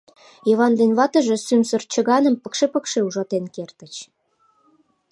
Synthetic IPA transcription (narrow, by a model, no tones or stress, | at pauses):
jiβɑnd̪enβɑt̪ə̆ʒe̽symsərt͡ɕə̆ɣɑnə̆mpəkʃepəkʃeuʒɑt̪enkert̪ə̆t͡ɕ